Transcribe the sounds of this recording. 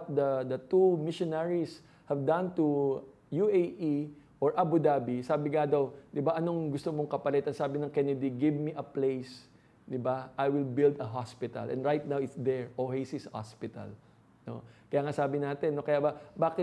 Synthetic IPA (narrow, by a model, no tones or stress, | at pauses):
t̪̚d̪ɐd̪ɐt̪umɪʃonɛɹis | hɐvd̪ɐ̃nt̪u | juʔejʔiʔoɹʔɐbud̪aːbisaːbɪŋad̪ɐwd̪ɪbaʔɐnoŋɡʊst̪omoŋkɐpɐlɛt̪ɐnsaːbɪnɐŋkɛnɛd̪iɡɪvmiʔɐplejs | d̪ɪbaʔajwɪlbɪld̪ɐɦaspɪt̪ɐ̰lʔɛ̰nɹajt̪̚nawɪt̪sd̪ɛɹʔohejsisɐha̰spɪt̪ɐ̰l | no̞̰kɐjaːŋasaːbɪnaːt̪ɛnːokɐjaːbɐbaːkɪ